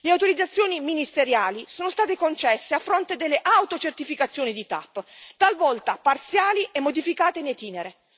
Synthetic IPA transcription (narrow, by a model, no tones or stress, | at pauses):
leawt̪oɾid̪at̪sːjoːniminist̪eɾjaːlisoːnost̪aːt̪ekont͡ʃɛsːeafːɾont̪ed̪elːeʔawt̪ot͡ʃert̪ifikat̪sːjoːnid̪it̪a̰pːt̪alvɔlt̪apart̪sjaːliʔɛmːod̪ifikaːt̪enejt̪iːneɾe